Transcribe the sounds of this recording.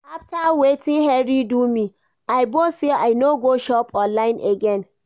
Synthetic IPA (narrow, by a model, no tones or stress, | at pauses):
aftawetĩnɦɛɹidumĩ | ajboseaɪnoɡoʃɔpʰɔlãɪ̃nʔeɡɛ̃n